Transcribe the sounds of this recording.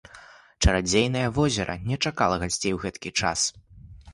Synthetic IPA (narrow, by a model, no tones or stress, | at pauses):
t͡ʂɐɾad͡zʲejnɐjɐvɔzʲɛɾʔɐ̰nʲɛt͡ʂakalˠɐɣasʲt͡sʲejwɣɛt̪kʲit͡ʂa̰s